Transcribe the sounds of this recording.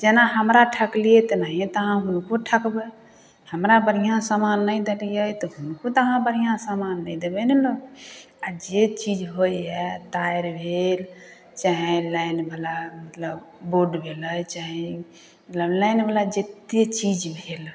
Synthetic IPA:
d͡ʒenaɦəmɾaʈʰəklijet̪nəɦĩt̪əɦãɦunkoʈʰəkbe | həmɾabəɾijãsamanːəjd̪elijəjt̪ɔɦunkot̪əɦãbəɾ̤ijãsamanːəjd̪ebənelo | ad͡ʒet͡ʃid͡ʒɦojɛt̪aeɾbʱel | t͡ʃaɦĩlajnbʱəlamət̪ləb | boɖbʱeləjt͡ʃaɦĩ | ələblajnbʱəlad͡ʒet̪et͡ʃid͡ʒbʱel

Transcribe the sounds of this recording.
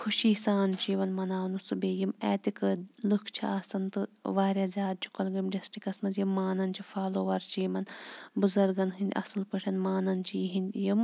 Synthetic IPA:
kʰuʃiːsaːnt͡ʃiːʋɐnmɐnaːʋɐnusɨbeːjimɛ̰ːt̪ikɨlɨkʰt͡ʃʰḭɐsɐnt̪ɨʋaːɾjaːzʲjaːd̪̚t͡ʃʰu̥kɐlɡɐmɖɐsʈikɐsmɐnzjimːaːnɐnt͡ʃʰifaːloːʋɐɾt͡ʃiːmɐnbuzɐɾɡɐnɦinʲd̪ʲʔɐ̰sɐlpɐʈʰɐnmaːnɐnt͡ʃʰiːɦind̪ʲjim

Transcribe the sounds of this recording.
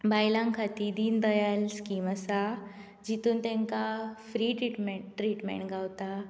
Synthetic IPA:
bajlãŋkʰat̪id̪iːnd̪əjalskimasa | d͡ʑit̪uːnt̪ɛ̃ŋkafɾiːʈɾiʈmeɾiʈmḛ̃ɳʈɡʱawt̪a

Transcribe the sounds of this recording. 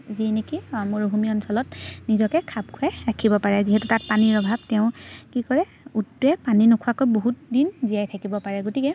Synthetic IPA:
zinekimʊɹoɦumiɔnsɔlɔtnizɔkɛkʰab̚kʰɛɹakʰibɔpaɹɛziɦɛtutat̚paniɹɔbʱabtɛʊ̃kikɔɹɛ | utːɛpaninokʰuakojboɦut̚dinzijajtʰakibɔpaɹɛɡotikɛ

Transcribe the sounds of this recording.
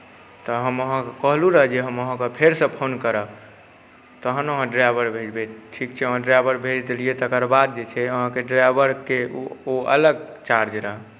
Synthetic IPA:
t̪ɔɦəməɦãkkəɦluɾəɦd͡ʒeɦəməɦãkepʰeɾsə̃pʰonkəɾəb | t̪əɦənəɦãɖɾabəɾbʱed͡ʒbeʈʰikt͡ʃʰɛəɦãɖɾabəɾbʱed͡ʒd̪eliet̪əkəɾbad̪̚d͡ʒet͡ʃʰɛəɦãkeɖɾabəɾkeoə̰ləɡt͡ʃaɾd͡ʒɾəɦɛ

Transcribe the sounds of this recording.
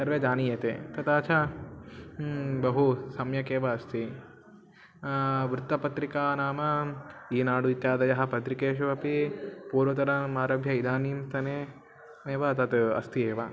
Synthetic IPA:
sɐɾʋeːd͡ʒaːnijɐt̪ḛːt̪ɐt̪aːt͡ʃʰa | bɐɦusɐmjɐkeːʋɐːst̪i | ʋɾɪt̪ːɐpɐt̪ɾikaːnaːmɐiːnaːɽuit̪jaːd̪ɐjɐɦɐpɐt̪ɾikeːʃɐʋɐpipuːɾʋɐt̪ɐɾɐmaːɾɐbʱjɐid̪ʱaːniːmt̪ɐne | eːʋɐt̪ɐt̪ɐ̰st̪ieːʋɐ

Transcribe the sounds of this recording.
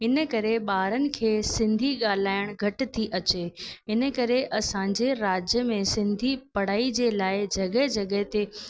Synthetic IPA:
ɪnəkɐɾeɓaːɾənɪ̆kʰeːsɪ̃nd̪ʱiɠaːl̤aːɪɽ̃ɡʱɐʈ̆t̪ʰiʔɐt͡ɕeɪnə̆kɐɾeʔɐsãːɲd͡ʑeɾaːd͡ʑjəmẽsɪ̃nd̪ʱipɐɽ̤aːid͡ʑeːlaːɪd͡ʑɐɠəɦd͡ʑɐɠəɦt̪e

